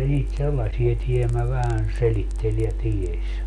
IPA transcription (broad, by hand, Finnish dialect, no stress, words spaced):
niːt selːɑsie tiemæ ʋæhæn selitːel jɑ tiesʲ